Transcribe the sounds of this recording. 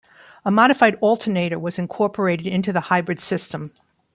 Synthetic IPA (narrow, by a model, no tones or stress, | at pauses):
əmɑɾɨfaɪɾɔlˠtʰə˞neɪɾə˞wʌzɨ̃nkʰɔɹpʰə˞eɪɾɨɾɪ̃ntʉðəhaɪbɹɨd̥sɪstə̃m